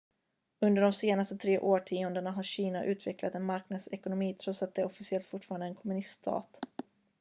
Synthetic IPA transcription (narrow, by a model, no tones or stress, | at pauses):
ɵnd̪əɖɔmseːnast̪ət̪ʰɾeːʔoːʈʰiːʊnd̪əɳaɦaɾɕiːnaʔʉ̟ːt̪vɛklat̪ɛnmaɾknad̪sɛkʊnʊmiːt̪ʰɾɔt̪sat̪̚d̪ɛɔfɪsɪɛlt̪fʊʈːfɑːɾand̪əɛnkʰɔmɵnɪst̪t̪ʰɑ̰ːt̪